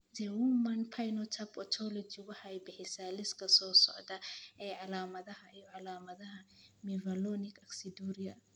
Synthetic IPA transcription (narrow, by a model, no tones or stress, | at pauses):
d̪ɛwumɐnpʰajnɔt̪ʰɐbɔt̪ʰɔlɔd͡ʒɪwɑħɑjbɪħɪsaːlɪskʰɐsɔːsɔ̰ʕd̪ɐʔɛːʕɑlaːmɐðɐɦɐʔijɔʕɑlaːmɐðɐɦɐmɛvɐlɔnɪkʰɐksɪd̪uɾɪɐ̰